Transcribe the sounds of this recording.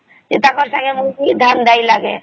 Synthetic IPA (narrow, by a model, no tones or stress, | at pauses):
d͡ʒet̪akəɾsə̃ŋɡemuid̪ʱand̪aːilaɡe